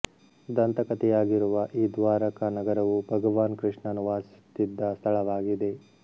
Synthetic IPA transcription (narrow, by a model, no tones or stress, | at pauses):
d̪ɐnt̪ɐkɐt̪ɛjaːɡiɾuʋɐʔiːd̪ʋaːɾɐkɐnɐɡɐɾɐʋubʱɐɡɐʋaːnkɾɨʂɳɐnuʋaːst̪ːid̪ːɐst̪ʰɐɭɐʋaːɡid̪e̞